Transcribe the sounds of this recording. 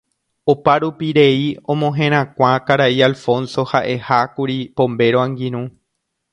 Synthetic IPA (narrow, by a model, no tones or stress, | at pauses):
opaɾupiɾe̞iõmõɦẽ̞ɾ̃ãkʷãkaɾaialfõ̞nso̞haʔe̞hakuɾipõ̞mbe̞ɾoãŋɡĩɾ̃ũ